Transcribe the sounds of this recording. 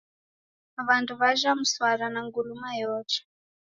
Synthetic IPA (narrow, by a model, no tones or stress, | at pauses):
βantuβaʒamuswaɾanaŋɡulumajɔːt͡ʃḁ